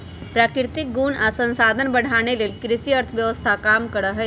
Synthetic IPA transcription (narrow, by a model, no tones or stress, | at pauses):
pɾaːkɾɪt̪ɪk̚ɡuːnasə̃nsaːd̪ʱənbəɽ̤ʱaːneleːlkɾɪʃiəɾt̪ʰʋjəʋəst̪ʰakaːmkəɽəɦɛ